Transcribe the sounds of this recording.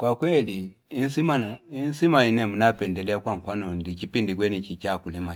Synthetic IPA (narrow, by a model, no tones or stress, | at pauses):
kwakwɛliː | nsimanainsimainɛmunapɛndɛlɛakwaŋ̩kwanɔndikipindik̬wɛnit͡ʃit͡ʃakulɛma